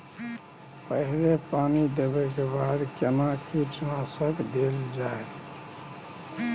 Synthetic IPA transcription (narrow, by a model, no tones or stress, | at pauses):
pəɦɾepanid̪ebɛkebad̪kenakit͡ʃnãsəkd̪eld͡ʒae